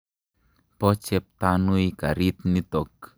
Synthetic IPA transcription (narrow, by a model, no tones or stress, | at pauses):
pɔt͡ʃɛp̚t̪anuikaɾit̪̚nit̪ɔk̚